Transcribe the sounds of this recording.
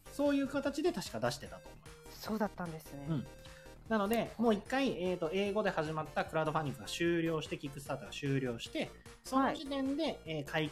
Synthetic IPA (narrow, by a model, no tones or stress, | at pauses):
so̞ːjɯ̟ːkat̪at͡ɕid̪e̞t̪aɕi̥kad̪aɕi̥t̪e̞t̪at̪o̞̰imsoːd̪at̪ːãnd̪esɨneɯ̟̃ɴ | nano̞d̪e̞moːikːaieːt̪o̞e̞ːɡo̞d̪e̞haʑimat̪ːakɯ̟ɾaɯd̪oɸaɲ̟ːĩŋkːɯ̟ɡaɕɨːɾʲo̞ːɕi̥t̪e̞kʲikːɯ̟sɨ̥t̪aːt̪oɡaɕɨːɾʲo̞ːɕi̥t̪e̞ | so̞noʑit̪ẽ̞nd̪e̞eːkʰai